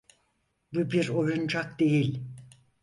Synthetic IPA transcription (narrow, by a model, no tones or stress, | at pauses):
bubiɾojund͡ʒʰakd̪e̞jilʲ